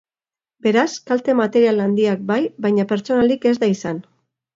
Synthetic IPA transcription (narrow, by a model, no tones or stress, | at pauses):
be̞ɾaskalt̪e̞mat̪e̞ɾialand̪iak̚bajβajɲape̞ɾt͡so̞nalike̞zd̪aisan